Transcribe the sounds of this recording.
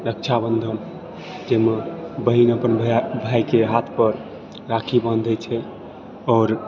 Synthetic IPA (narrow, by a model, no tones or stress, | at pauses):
ɾək̚t͡ʃʰabənd̪ʱən | d͡ʒemebəɦinəpənbʱbʱajkeɦat̪ʰpəɾ | ɾakʰibənd̪ʱɛt͡ʃʰɛ | ɔːɾ